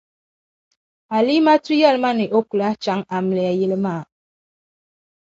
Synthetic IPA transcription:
a˨li˦ma˦ti˦ja˦˨lma˦ne˨ʔo˦ku˨la˦t͡ʃa˨˦ŋa˨m˨lɛ˨a˨ji˦lə˦ma˦˨

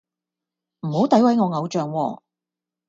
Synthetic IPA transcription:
m̩˨˩ho˨˥wt̪ɐ˨˥jwɐ˨˥jŋɔː˨˧ŋɐ˨˧wt͡ʃœː˨ŋwɔː˧

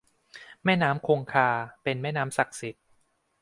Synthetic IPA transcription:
mɛː˥˩naː˦˥mkʰoː˧ŋkʰaː˧pe˧nmɛː˥˩naː˦˥msa˨˩k̚si˨˩˦t̪̚

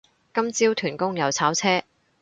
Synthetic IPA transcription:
kɐ˥mt͡siː˥wt̪ʰyː˨˩nkʊ˥ŋjɐ˨˧wt͡sʰaː˨˥wt͡sʰɛː˥

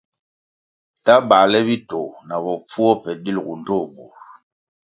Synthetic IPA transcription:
ta˦ba˨lɛ˦βi˦to˨na˨bɔ˨p͡fu˦ɔ˦pɛ˨di˦lɡu˨n˦do˦˨bo˨ɾ

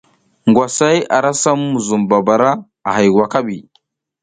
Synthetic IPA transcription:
ŋɡwa˨sa˦ja̰˨ɾa˦sa˦mːu˨zu˨mba˨ba˨ɾa˦ | a˨ɦa˨jwa˨ka˦bi˨

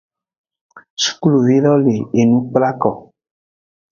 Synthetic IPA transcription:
su̥˦klu˨vi˦ɾɔ˦le˨e˨nũ˦k͡pla˦kɔ˨

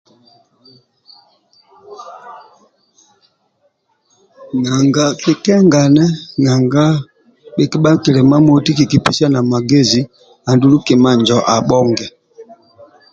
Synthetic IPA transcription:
ŋa˨ŋɡa˨ki˨kɛ˦ŋɡa˨nɛ˦ŋa˨ŋɡa˦ | ɓɛ˨ki˦ɓa˦kɛ˨lɛ˨ma˦mɔ˨˦ti˦ki˨ki˨pi˨sa˦na˨ma˨ɡe˦zi˨ | a˨ndu˦lu˦kɛ˨ma˦ɲd͡ʒɔ˨ʔa˨ɓɔ˦ŋɡɛ˨

